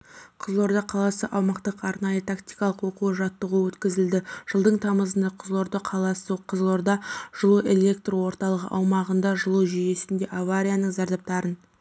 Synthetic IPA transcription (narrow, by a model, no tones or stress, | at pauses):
qʰəzlˠo̞ɾd̪ɑqʰɑlˠɑsəʔɑwmɑqt̪əqɑɾnɑjət̪ʰakt̪ijkɑlˠəqwo̞quəʒɑt̪ːəʁəwɵt̪kʲɪzɪld̪ɪʒ̥əlˠd̪əɴt̪ʰɑməzənd̪ɑqʰəzlˠo̞ɾd̪ɑqʰɑlˠɑsəqʰəzlˠo̞ɾd̪ɑʒ̥əlˠuʔe̞lʲe̞k̚t̪rwo̞ɾt̪ɑlˠəʁə̰ʔɑwmɑʁənd̪ɑʒəlˠuʒʏje̞sɪnd̪e̞ʔavaɾʲijanəɴzɑɾd̪ɑp̚t̪ɑɾən